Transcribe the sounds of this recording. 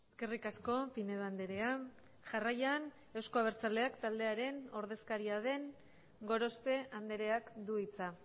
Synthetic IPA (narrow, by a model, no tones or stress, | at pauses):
eske̞rikasko̞pineðoand̪e̞ɾe̞a | ʝarajan | e̞wsko̞aβeɾt͡sald̪e̞akt̪ald̪e̞aɾe̞no̞ɾðe̞skaɾiað̞e̞ŋ | ɡo̞ɾo̞spe̞and̪e̞ɾe̞akd̪uit͡sa